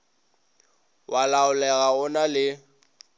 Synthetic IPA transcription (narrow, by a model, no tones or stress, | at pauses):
wʔalaʊlɛɣaʊnalɪ